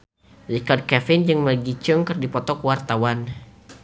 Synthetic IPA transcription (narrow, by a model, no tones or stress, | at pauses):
rikard̚kɛfɪnd͡ʒɨŋmərɡit͡ʃʊŋkɨrdipɔt̪ɔkəwart̪awan